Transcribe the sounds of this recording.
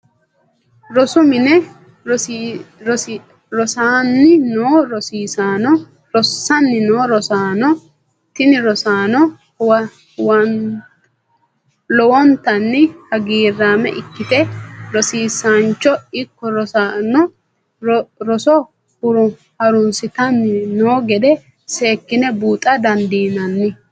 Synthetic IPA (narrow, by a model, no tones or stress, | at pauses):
ɾɔsʊmɪnɛ | ɾɔsaːnːɪnoːɾɔsiːsaːnɔ | ɾɔsːɐnːɪnoːɾɔsaːnɔ | t̪ɪnɪɾɔsaːnɔ | wɐ | wɐn | lɔwɔnt̪ɐnːɪhɐɡiːrːaːmɛ̰ʔɪkːɪt̪ɛɾɔsiːsant͡ʃːɔɪkːɔɾɔsanɔ | ɾɔsɔ | hʊɾʊ | hɐɾʊnsɪt̪ɐnːɪnoːɡɛd̪ɛ | se̞ːkːɪnɛbuːt̪ʼːɐd̪ɐnd̪iːnɐnːɪ